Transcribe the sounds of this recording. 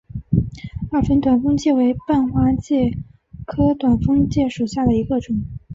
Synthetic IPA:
a˥˩fə˥nt̪wa˨˩nfɤ˥ŋt͡ɕjɛ˥˩we˧˥ɪpa˥˩nxwa˥t͡ɕjɛ˥˩ | kʰɤ˥t̪wa˨˩nfɤ˥ŋt͡ɕjɛ˥˩ʂu˨˩ɕja˥˩d̪ə˩i˧˥ɡə˧ʈ͡ʂʊ˨˩˦ŋ

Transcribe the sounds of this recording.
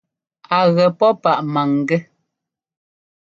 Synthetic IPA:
a˨ɣɛ˨pɔ˦pa˨ʔma˨ŋ˨ɡɛ˦

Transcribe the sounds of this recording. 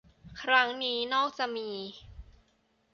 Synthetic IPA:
kʰɾa˦˥ŋniː˦˥nɔː˥˩k̚t͡ɕa˧˨ʔmiː˧

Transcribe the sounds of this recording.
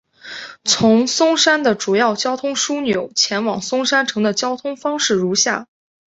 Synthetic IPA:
t͡sʰʊ˧˥ŋsʊ˥ŋʂa˥nd̪ə˨ʈ͡ʂu˨˩jɑ˥˩ʊt͡ɕjɑ˥ʊt̪ʰʊ˥ŋʂu˥njo˨˩˦ʊt͡ɕʰjɛ˧˥nwɑ˨˩ŋsʊ˥ŋʂa˥nʈ͡ʂʰɤ˧˥ŋd̪ə˧t͡ɕjɑ˥ʊt̪ʰʊ˥ŋfɑ˥ŋʂɻ̩˥˩ɻu˧˥ɕja̰˥˩

